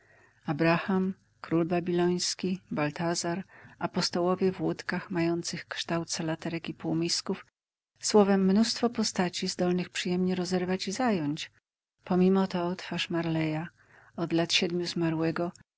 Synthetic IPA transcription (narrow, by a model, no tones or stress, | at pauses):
abɾaxam | kɾulbabʲilɔj̃skʲibalt̪azaɾapɔst̪ɔwɔvʲjɛvwut̪kaxmajɔnt̪sɘxkʂt̪awt̪salat̪ɛɾɛkipuwmʲiskuf | swɔvɛmːnust̪fɔpɔst̪at͡ɕizd̪ɔlnɘxpʂɘjɛmɲɛɾɔzɛɾvat͡ɕizajɔɲt͡ɕ | pɔmʲimɔt̪ɔt̪faʂmaɾlɛja | ɔd̪lat̪ɕɛd̪mʲjuzmaɾwɛɡɔ